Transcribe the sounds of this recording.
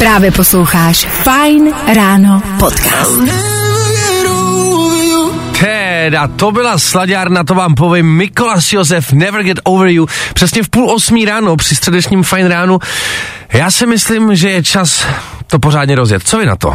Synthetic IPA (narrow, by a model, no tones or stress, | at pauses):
pɾaːvjɛposlowxaːʃfajnɾaːnopot̪kaːs | ɾo | t̪ʰɛdat̪obɪlaslaɟaːɾnat̪̬ovaːmp̬ovɪmːɪkolasjozɛfnɛvəɾɡɛt̪owvəɾjupr̥ɛsɲɛfpuːlʔosmiːɾaːnopr̝̥ɪst̪r̥ɛdɛt͡ʃɲiːmfajnɾaːnu | jaːsɪmɪslɪmʒɛjɛt͡ʃas | t̪opor̝aːdɲɛɾozjɛ̰t̪̚t͡sovɪna̰t̪o̰